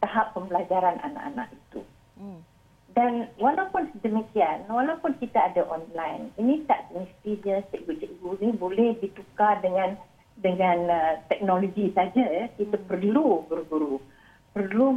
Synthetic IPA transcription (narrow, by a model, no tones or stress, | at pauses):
t̪aɦapːəmbəlad͡ʒaɾanʔa̰na̰ʔa̰nã̰ʔit̪ṵ | danwalawpʊnsədəmikianwalawpʊnkit̪aadaʔɔnlajninĩt̪aʔt̪əmist̪idəst̪ɛʔɡut͡ʃɛʔɡunĩbolɛhdit̪ukadəŋãn | dəŋãnət̪ɛk̚noloɡisad͡ʒajakit̪apərluɡuɾuɡuɾu | pərlu